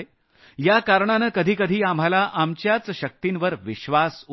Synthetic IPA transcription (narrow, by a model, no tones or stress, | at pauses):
jakaɾɳanəkəd̪ʱiːkəd̪ʱiːam̤alaʔamt͡ɕjat͡sɕək̚t̪inʋəɾʋiɕʋasu